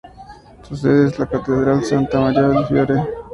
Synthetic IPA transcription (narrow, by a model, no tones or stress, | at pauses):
sus̬eðezlakat̪eðɾalsant̪amaɾjaðifjoɾe